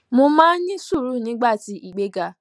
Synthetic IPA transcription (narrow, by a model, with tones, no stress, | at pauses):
mʊ̃˧mãː˦ɲɪ̃˦su˦˨ɾu˨˦˨ɲɪ̃˦ɡ͡ba˦˨ti˨ʔi˨ɡ͡be˦ɡa˧